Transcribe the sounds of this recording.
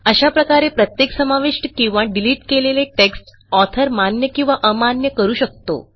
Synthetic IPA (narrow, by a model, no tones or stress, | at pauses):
əɕapɾəkaɾepɾət̪jeksəmaʋiʂʈəkĩw̃ʋaɖiliːʈkeleleʈeksʈ | ɔt̪ʰəɾmanjəkĩw̃ʋaʔəmanjəkəɾuːɕək̚t̪o̰